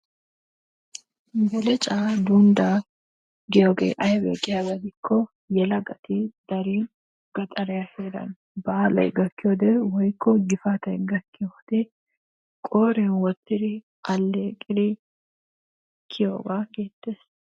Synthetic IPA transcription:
ɡɛlɛt͡ʃʼad̪und̪a | ɡɪjoːɡḛʔɐjbɛ̰kʼɪjɐɡɐd̪ɪkʰːɔ | jɛlɐɡɐt̪ɪd̪̥ɐɾi | ɡ̥ɐt̪ʼɐɾɛjaheːɾɐ̰n | bɐːlɐ̰jɡɐkːɪjoːd̪ɛwɔjkːɔɡɪfaːt̪ɐjɡɐkːɪjoːd̪̥ɛ | kʼoːɾɛnwɔt̪ːɪd̪ɪ | ɐlːeːkʼɪd̪ɪ | kʰːɪjo̰ːɡaɡe̞ːt̪ːeːs

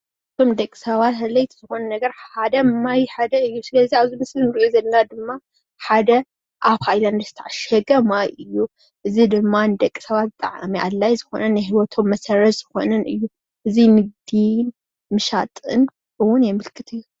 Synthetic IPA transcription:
ɨt̪ʰo̞md̪ɐkʼi̥sɐβat̪hɐlːɐjt̪ʰɨzɨxo̞nɐnɐɡɐɾħad̪ɐmajħad̪ɐɨjːusɨlɐziaβzimɨslɨnɨɾʔozɐlnad̪ɨmːa | ħad̪ɐ | ʔaβhajlanɨzɨt̪ʰaʕaʃɐɡɐmajʔɨjːu | ʔɨzid̪ɨmːand̪ɐkʼːi̥sɐβat̪̚bɨt̪ʼɐ̰ʕa̰miʔa̰lːajzɨxo̞̰nɐnːɨjɦiwɔt̪ʰo̞mːɐsɐɾɐz̥ɨxo̞̰nɐnɨjːu | ʔɨzinɨɡ̚d̪in | mɨʃat̪ʼɨ̰n | ʔɨwʊnjɛmɨlkʰɨt̪ʰɨjːu

